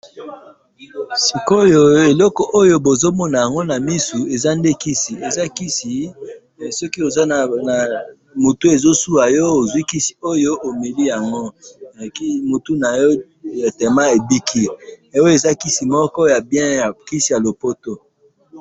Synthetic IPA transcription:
si˨ko˦jo˦e˨lɔ˦kɔ˨ʔo˦jo˦bo˨zo˦mɔ˦na˨ja˨ŋɡo˦na˨mi˦su˨e˨za˦nde˦ki˦si˨e˨za˦ki˦si˨ | sɔ˦ki˦o˨za˦˨na˨ | mo˨tu˦e˨zo˦su˦a˨jɔ˦o˨zwi˦ki˦si̥˨o˦jo˦ʔo˨me˨li˦ja˨ŋɡo˦˨ki˦mu˨tu˦na˨jɔ˦ | e˨tɛ˨ma˦e˨bi˦kʰi˦˨o˦e˨za˦ki˦si˨mɔ˦kɔ˦ja˨bjɛ̃˦ja˨ki˦si˨ja˨lo˨po˦to˦

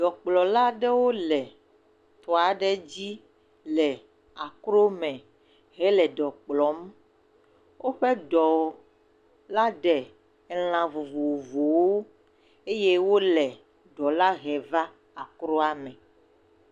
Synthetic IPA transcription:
ɖɔ˨k͡plɔ˨la˦ɖɛ˦wo˦lɛ˨ | t̪ɔ˨a˨ɖɛ˦d͡ʑi˦ | lɛ˨ | a˨kɾo˦mɛ̃˨ | ɦɛ˦lɛ˨ɖɔ˨k͡plɔ˨˦m | wʔo˦ɸɛ˦ɖɔ˨ | la˦ɖɛ˨˦ | l̃ã˨vu˨vu˨u˨vu˨wo˦ | e˦je˦wo˦lɛ˨ | ɖɔ˨la˦ɣɛ˨va˦ | a˨kɾo˦a˦mɛ̃˨

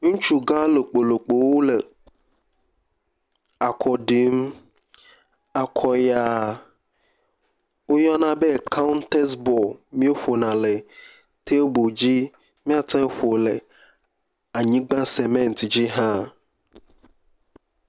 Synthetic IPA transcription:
ŋũ˦t͡ʃu˦ɡã˦le˨k͡po˨lo˨k͡po˨wo˦le˨ | a˨kʰɔ˨ɖi˨m | a˨kʰɔ˨ja˨ | wo˦jɔ˦nã˦be˦˨kʰa˦wnt̪e˦sbɔ˨mĩ˦o˦ɸo˨nã˨le˨ | t̪e˦bo˨d͡ʑi˦ | mĩ˦a˨t̪ɛ̃˦ɸo˨le˨ | a˨ɲĩ˦ɡ͡bã˦se˨mẽ˦n˨t̪d͡ʑi˦ɦã˦

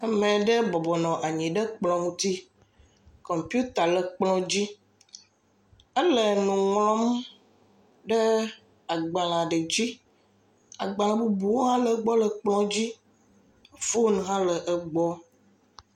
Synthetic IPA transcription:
ɛ˦mɛ̃˨ɖə˦bɔ˨bɔ˨nɔ̃˨ʔa˨ɲĩ˨ɖə˦k͡plɔ̃˨m˦t̪i˦ | kɔ˨mpi˦u˦t̪a˨lə˨k͡plɔ̃˦d͡ʑi˦ | ə˦lə˨nũ˨ŋlɔ̃˦m | ɖə˦ | a˨ɡ͡ba˨lã˨ɖə˨d͡ʑi˦ | a̰˨ɡ͡ba˨l̃ã˨bu˦bu˨wo˦ɦã˦lə˨ɡ͡bɔ˦lə˨k͡plɔ̃˦d͡ʑi˦ | fo˦n˨ɦã˦lə˨ʔə˦ɡ͡bɔ˦

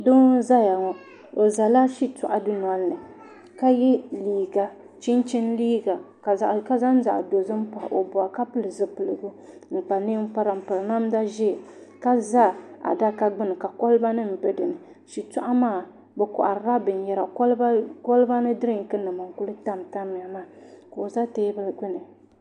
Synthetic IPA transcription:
do˦za˦ja˨ŋɔ˦ | o˨za˨la˦ʃi˦tʊ˨ʔa˨dɨ˦n˨a˨˦nːɨ˨ | ka˦jɛ˦liː˨ɡa˨ | t͡ʃi˦nt͡ʃi˦nliː˦ɡa˨ | ka˨ka˦za˦n̩˦za̰˨ʔdo˨zɨ˦m̩˦pa̰˨o˨bʊ˨a˨ka˦pɨ˦lɨ˨zɨ˦pɨ˨lɨ˨ɡu˦ | ŋ͡m̩˨k͡pa˨ni˦m̩˦pa˦ɾa˨m̩˨pɨ˨lna˦mda˦ʒɛ˦˨ka˦za˦˨a̰˨da˦ka˦ɡ͡bɨ˦nɨ˨ka˨kɔ˦lɨ˦ba˦nɨ˦m̩˨bɛ˦dɨ˨nɨ˨ | ʃi˨tɔ˦ʔa˦maː˦˨ | bɛ˨kʊ̰˨ʔa˨ɾɾa˦bɨ˨n˦jɛ˨ɾa˨klkɔ˦lba˦nɨ˦dɨ˦ɾɨ˦˨ŋ˨kɨ˦nɨ˨ma˨ŋ̩˨ku˦lɨ˦ta˦˨mta˦mi˨a˨maː˦˨ko˨za˦teː˦bɨ˦lɡɪ˦nɨ˨

